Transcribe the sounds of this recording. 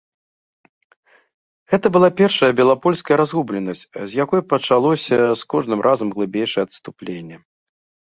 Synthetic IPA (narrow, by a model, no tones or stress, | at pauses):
ɣɛt̪ɐbɨlˠapʲɛrʂɐjɐbʲɛlˠapɔlʲskɐjɐɾazɣublʲɛnːɐsʲt͡sʲzʲjakɔjpɐt͡ʂalˠɔsʲɐskɔʐnɨmrʔazɐmɣlˠɨbʲejʂɐjɛɐt̪st̪uplʲenʲːɛ